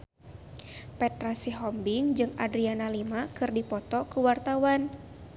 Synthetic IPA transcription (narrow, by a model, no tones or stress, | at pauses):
pɛt̪ɾasiɦɔmbiŋd͡ʒɨŋadɾianalimakɨrdipɔt̪ɔkuwart̪awan